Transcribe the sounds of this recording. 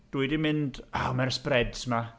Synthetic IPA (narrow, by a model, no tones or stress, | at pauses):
d̥uɨdimɪndawmɛrsprɛdsma